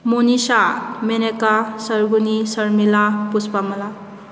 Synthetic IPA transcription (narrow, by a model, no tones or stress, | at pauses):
monisamenekasəɾɡunisɐɾmilapuspamɐla